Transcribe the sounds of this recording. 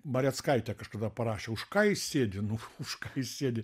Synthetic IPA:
mɐɾʲɛt̪skɐɪt̪ʲɛkɐʃkɐd̪ɐpɐɾɑːʃʲɛʊʃkɑːjɪsʲsʲeːd̪ʲɪnʊʊʃkɑːjɪsʲsʲeːdʲɪ

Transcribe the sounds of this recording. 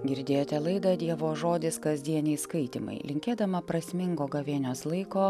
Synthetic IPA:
ɡʲɪɾʲd̪ʲeːjoːt̪ʲɛlˠɐɪd̪ɐd̪ʲiɛʋoːʒoːd̪ʲɪskɐzʲd̪ʲiɛnʲɛɪskɐɪt̪ʲɪmɐ̰ɪlʲɪŋʲkʲeːd̪ɐmɐpɾɐsʲmʲɪŋɡoːɡɐʋʲeɛnʲoːslˠɐɪkoː

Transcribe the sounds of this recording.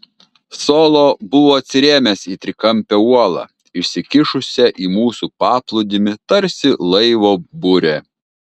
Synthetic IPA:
soːlˠoːbʊʋoːɐt̪sʲɪɾʲeːmʲesiːt̪ʲɾʲɪkɐmʲpʲɛuɔlˠɑ̰ː | ɪʃʲsʲɪkʲɪʃʊsʲɛʔiːmuːsuːpɑːplˠʊd̪ʲɪmʲɪt̪ɐɾʲsʲɪlˠɐɪʋoːbʊɾʲe

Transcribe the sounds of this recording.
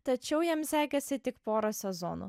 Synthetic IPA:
t̪ɐt͡ʃʲɛʊjimsʲæːɡʲɛsʲɪt̪ʲɪkpoːɾɐsʲɛzo̰ːnṵ

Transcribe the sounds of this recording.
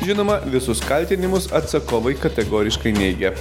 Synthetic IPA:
ʒʲɪnoːmɐʋʲɪsʊskɐlʲt̪ʲɪnʲɪmʊsɐt̪sɐkoːʋɐɪkɐt̪ʲɛɡoːɾʲɪʃkɐɪnʲɛɪɡʲɛ

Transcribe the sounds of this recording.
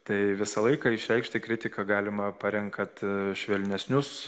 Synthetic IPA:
t̪ɐɪʋʲɪsɐlˠɐɪkɐɪʃʲɾʲɛɪkʃʲt̪ʲɪkɾʲɪt̪ʲɪkɐɡɑːlʲɪmɐpɐɾʲɛŋkkɐt̪ʃʲʋʲɛlʲnʲɛsʲnʲʊs

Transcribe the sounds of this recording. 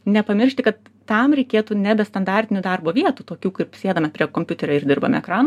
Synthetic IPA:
nʲɛpɐmʲɪɾʲrʃʲt̪ʲɪkɐt̪ːɐmɾʲɛɪkʲeːt̪uːnʲɛbʲɛst̪ɐnd̪ɑːrʲt̪ʲɪnʲuːd̪ɑrboːʋʲiɛt̪uːt̪oːkʲuːkʊpsʲeːd̪ɐmʲɐpʲɾʲiɛkoːmʲpʲʊt̪ʲɛɾʲoːɪɾd̪ʲɪrbɐmʲɛ̰ɛkɾɑːno

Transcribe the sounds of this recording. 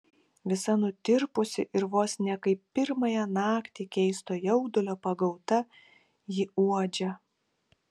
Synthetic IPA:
ʋʲɪsɐnʊt̪ʲɪɾpʊsʲɪʔɪɾʋoːsnʲɛkɐɪpːʲɪɾmɐjɛnɑːkt̪ʲiːkʲɛɪst̪oːjɛʊd̪ʊlʲoːpɐɡɐʊt̪ɐ | jɪuɔd͡ʒʲɛ

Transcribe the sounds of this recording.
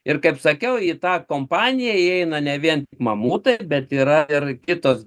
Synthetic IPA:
ɪrkɐɪpsɐkʲɛʊiːt̪ɑːkoːmpɑːnʲɪjɛiɛɪnɐnʲɛʋʲiɛnt̪ʲɪkmɐmuːt̪ɐɪbʲɛt̪iːɾɐɪɾkʲɪt̪oːs

